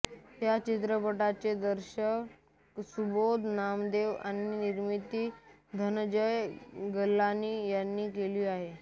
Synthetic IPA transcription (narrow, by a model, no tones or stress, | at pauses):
t̪jat͡ɕit̪̬ɾəpəʈat͡ɕed̪əɾɕək | ksubod̪ʱnamd̪eʋa̰ñiniɾmit̪iː | d̪ʱənəd͡ʑəjɡəlːanːiːjanːiːkeliːaɦe